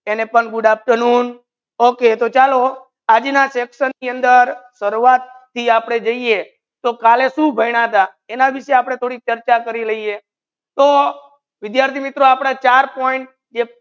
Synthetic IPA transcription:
enepəɳɡʊɖap̚ʈənun | oket̪ot͡ʃalo | ad͡ʒnaseksənːiənd̪əɾsəɾuat̪ʰːiapɽ̃ed͡ʒəie | t̪okaleʃũbʱəiɽ̃at̪a | enaʋiʃeapɽ̃et̪ʰoɽik̚t͡ʃəɾt͡ʃakəɾiləie | t̪o | ʋɪd̪jaɾt̪ʰimit̪ɾoapɽ̃at͡ʃaɾpoiɳʈ̚ | d͡ʒe

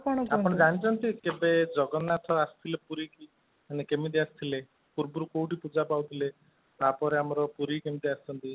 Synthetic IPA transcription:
paɽ̃ɔaɔɽ̃ed͡ʒañit͡ʃʰɔnt̪ikebed͡ʒɔɡɔnat̪ʰɔast̪ʰilepuɾiki | anekemit̪̬iast̪ʰile | puɾbuɾukowʈipud͡ʒapawt̪ʰile | t̪apɔɾeamɔɾɔpuɾikemid̪iasi̥t͡ʃʰɔnt̪i

